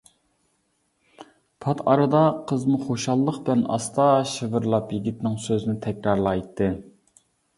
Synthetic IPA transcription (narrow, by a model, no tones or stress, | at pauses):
pʰɑt̪ʰɑ̰ɾɨd̪ɑqʰəzmʊχoʃɑlˠːəqblɛnɑ̰st̪ɑʃəvɨɾlˠɑpjiɡʲit̪nɪŋsøzɪnɪt̪ʰɛkʲɾɑɾlˠɑjt̪ʰːɨ